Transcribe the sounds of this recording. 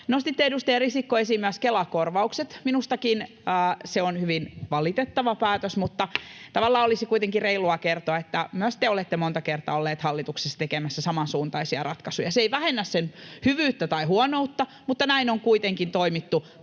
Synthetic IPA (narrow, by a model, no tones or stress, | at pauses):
nost̪it̪ːeedust̪erisikːoesimːyæskelɑkorʋɑukset̪minust̪ɑkin | əːseonhyʋinʋɑlit̪et̪ːɑʋɑpæːt̪øsmut̪ːɑt̪ɑʋɑlːɑːolisikuit̪eŋkireiluɑkert̪oɑet̪ːæmyøst̪ːˑeolet̪ːemont̪ɑkert̪ˑɑ̰ːolːeːt̪hɑlːit̪uksest̪ekemæsːæsɑmɑnsuːnt̪ɑisiɑrɑt̪kɑsujɑseeiʋæhenːæssenhyʋyːt̪ːæt̪ɑihuonout̪ːɑ | mut̪ːɑnæinoŋkuit̪eŋkint̪oimit̪ːu